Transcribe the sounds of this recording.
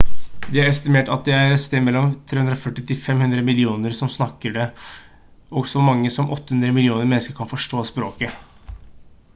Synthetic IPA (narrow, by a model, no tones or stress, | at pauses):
d̪ɛæɾɛst̪ɪmeːʈɑt̪̚d̪ɛæɾst̪eːmɛlːɔmt̪ʰɾeːhʉnd̪ɾɔfœʈːɪt̪ɪfɛmhʉnd̪ɾəmɪlɪuːnəɾsɔmsnɑkːəɖɛ | ɔɡsɔmɑŋːəsɔmʔɔt̪ːəhʉnd̪ɾəmɪlɪuːnəɾmɛnəskəɾkʰɑnfɔʂʈoːspɾoːkə